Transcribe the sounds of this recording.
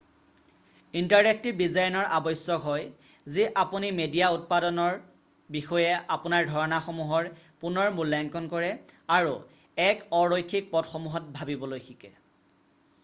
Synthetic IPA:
intaɹek̚tidizajnɔɹʔabɔjsɔkɦɔj | ziʔapunimedijaut̚padɔnɔɹ | bixɔjɛʔapʊnaɹdʱɔɹɔnaxɔmuɦɔɹpunɔɹmulːaŋkɔnkɔɹɛaɹu | ɛkɔɹojkʰːik̚pɔdxɔmuɦɔt̚bʱabibɔlojxʰikɛ̰

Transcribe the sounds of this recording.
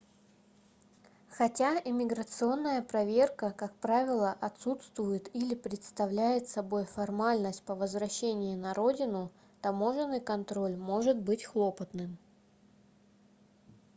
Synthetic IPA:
xɐtʲaɪmʲɪɡɾət̪sɨo̞nːəjəpɾɐvʲe̞rkəkak̚pɾavʲɪlˠəʔɐt̪sut̪st̪vʊjɪt̪ilʲɪpɾʲɪt̪st̪ɐvlʲæjɪt̪sɐbo̞jfɐrmalʲnəsʲt̚ʲpəvəzvɾɐɕːenʲɪjɪnɐɾo̞dʲɪnʊ | t̪ɐmo̞ʐɨnːɨjkɐnt̪ɾo̞lʲmo̞ʐɨt̪̚bɨtʲxlˠo̞pət̪nɨm

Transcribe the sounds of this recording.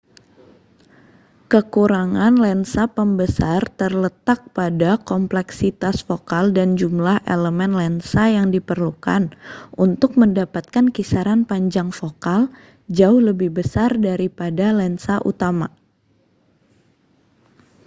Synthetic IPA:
kəkuɾaŋanlɛnsapəmbəsart̪ərlət̪ak̚padakɔmplɛksit̪asfokaldand͡ʒumlahʔḛləmɛnlɛnsajaŋdipərluka̰nʔunt̪ʊk̚məndapat̪̚kankisaɾanpaɲd͡ʒaŋfokal | d͡ʒaʊhləbɪhbəsardaɾipadalɛnsaʔṵt̪ama

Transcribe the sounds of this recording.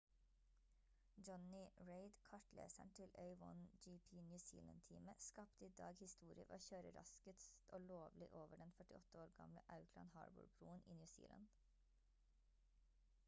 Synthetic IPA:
d͡ʒɔnɪɹeɪd̪kʰɑʈlḛːsæɳt̪ʰɪlœʏʋɔ̰nd͡ʒipʰiːnjʉsḭːlɑn̚t̪ʰiːməskɑpt̪əiːd̪ɑːɡhɪst̪uːɾɪəʋoːçøːɾəɾɑ̰skət̪oːloːʋlɪʔoːʋəɖɛnfœʈɪɔt̪əoːɾɡɑ̰mləʔɑʉkʰlɑ̰nhɑ̰ːɹbʊ̰ɹbɾuːənʔḭːnjʉːsḭːlɑ̰nd̪̥

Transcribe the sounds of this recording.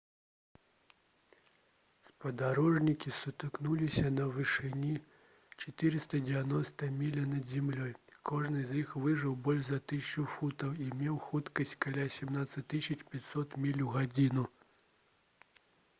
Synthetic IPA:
spɐd̪aɾɔʐnʲikʲisut̪ɨknulʲisʲɐnɐvɨʂɨnʲi | t͡ʂɐt̪ɨɾɨst̪ɐd͡zʲɛvʲanɔst̪ɐmʲilʲɐnɐd̪zʲimlʲɔjkʰɔʐnɨzixvɨʐɨwbɔlʲʐzɐt̪ɨsʲt͡ʂufut̪ɐwimʲɛwxut̪kɐsʲt͡sʲkalʲasʲɛmnat̪sɐt̪ɨsʲɐt͡ʃpʲat͡sʲsɔt̪mʲilʲuɣad͡zʲinu

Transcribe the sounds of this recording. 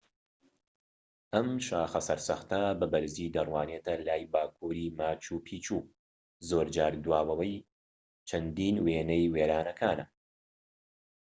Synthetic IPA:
ʔɐmʃaːxɐsɐɾsɐxt̪ɐbɐbɐɾziːd̪ɐrwaːneːt̪ʰɐlaːjbaːkʰuːɾiːmaːt͡ʃuːpʰiːt͡ʃʰuː | zoːɾd͡ʒaːɾd̪waːwɐwɐj | t͡ʃʰɐnd̪iːnweːnɛjweːɾaːnɐkʰaːnɐ

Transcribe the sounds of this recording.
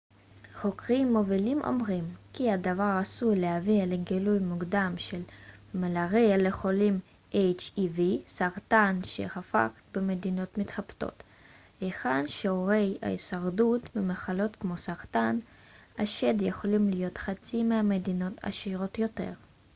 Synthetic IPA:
χo̞kʁimːovilimʔo̞̰mʁimkiad̪avaʁasulehavileɡilujmuɡd̪amʃelmelaʁeleχo̞lim | ʔejt͡ʃivisaʁt̪anʃḛχafa̰χbemed̪ino̞t̪mit̪χapt̪o̞̰t̪ | eχadʃeoʁe̞ja̰isaʁd̪utmimaχalo̞t̪kmo̞saʁt̪an | aʃed̪jeχo̞limlijo̞t̪χat͡simehamed̪ino̞t̪a̰ʃiʁo̞t̪jo̞t̪e̞̰ʁ

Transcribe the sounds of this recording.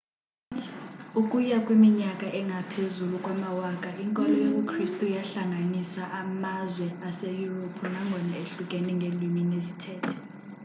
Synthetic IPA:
ukʼujakʼwimiɲakʼaʔɛŋʱapʰezulukʼwamawaːkʼaʔiŋkʼɔlɔjok̬ʼukʰristʼujaɬaŋʱanisaʔamazwɛasejuropʰunaŋɡʱɔnaeɬukʼɛnɛŋɡʱelwiminesitʰɛːtʰɛ̥

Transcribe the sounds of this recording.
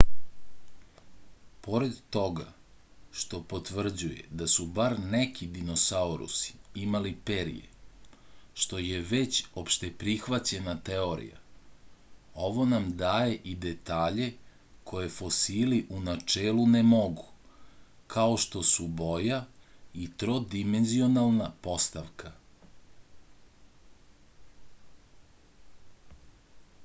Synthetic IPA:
po̞ɾed̪t̪o̞ɡa̰ | ʃt̪o̞po̞t̪ʋr̩d͡ʑujḛd̪asubaɾnekʰid̪ino̞saoɾṵsi̥imalipeɾḭjḛ | ʃt̪o̞je̞ʋe̞t͡ɕopʃt̪epɾixʋat͡ɕe̞nat̪eo̞ɾḭja̰ | o̞ʋo̞namd̪aːje̞ʔid̪et̪aːʎe̞ | kʰo̞je̞fo̞siliʔunat͡ʂeːlunemo̞ɡu | kʰaoʃt̪osubo̞jait̪ɾod̪imenzio̞nalˠnapo̞st̪aʋkʰa

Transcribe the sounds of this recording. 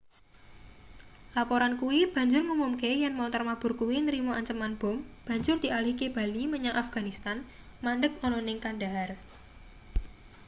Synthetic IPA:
lapoɾankuwib̥ä̤ɲd͡ʒʊrŋumumkejanmɔnt̪ɔrmab̥ʊ̤rkuwinəɾimoʔaɲt͡ʃəmanb̥ɔ̤mb̥ä̤ɲd͡ʒʊrd̪̥i̤alihkeb̥a̤liməɲaŋʔafɡ̥a̤nist̪an | manɖək̚ɔnɔnɪŋkanɖar

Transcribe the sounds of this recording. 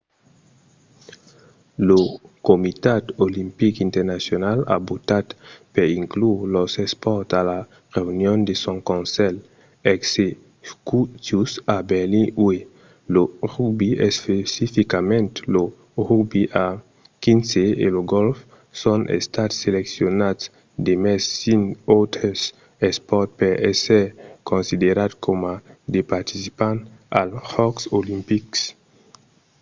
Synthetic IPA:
lokomit̪at̪olimpikint̪eɾnasjonala̰bot̪at̪peɾiŋkluɾlosespɔɾt̪ala | ʁeunjond̪esõŋkõnsɛl | ɛkse | kutusabelĩwe | loʁubiespesifikamẽnt̪lo | ʁubiʔa | kinseḛloɡolf | sonʔḛst̪at̪seleksjonat̪s | d̪emɛsːinot̪ɾes | espɔɾt̪̚peɾeseɾkʰonsid̪eɾat̪kʰomad̪epaɾt̪isipant̪alhɔksolimpiks

